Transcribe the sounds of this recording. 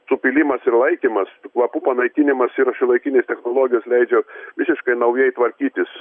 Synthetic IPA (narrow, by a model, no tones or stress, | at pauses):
sʊpʲɪlʲɪmɐsɪrlˠɐɪkʲimɐskʋˠɐpupɐnɐɪkʲɪnʲɪmɐsɪɾɐʃɪlˠɐɪkʲinʲeːst̪ʲɛxnoːlˠoːɡʲɪjoːslʲɛɪd͡ʒʲɛʋʲɪsʲɪʃkɐɪnɐʊjɛɪt̪ʋɐɾʲkʲiːt̪ʲɪs